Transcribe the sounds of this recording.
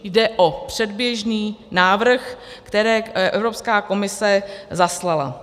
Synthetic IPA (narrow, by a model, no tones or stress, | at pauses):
jdɛʔopr̝̥ɛdbjɛʒniːnaːvr̩xkt̪ɛɾɛːʔɛvɾopskaːko̞mɪsɛzaslala̰